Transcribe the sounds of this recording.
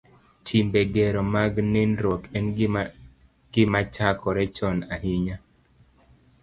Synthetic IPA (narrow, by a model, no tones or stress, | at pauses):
tʰimbɛɡɛɾɔmaɡnenɾɔkɛn | ɡ̥ɪmat͡ʃakɔɾɛt͡ʃɔnahiɲa